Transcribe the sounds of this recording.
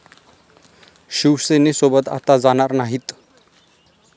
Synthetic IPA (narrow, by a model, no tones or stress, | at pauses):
ɕiʋsenesobət̪a̰t̪ad͡zaɽ̃aɾnaɦit̪